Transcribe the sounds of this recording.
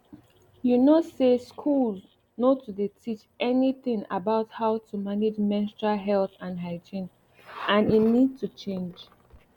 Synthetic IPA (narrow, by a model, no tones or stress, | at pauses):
junoseskʰulz | notudetʰit͡ʃʔɛniθɪ̃ŋa̰baʊthaʊtʰumaned͡ʒmɛ̃nstɹaɦɛlθãnɦaɪd͡ʒĩn | ʔãninid̚tʰut͡ʃʰẽnd͡ʒ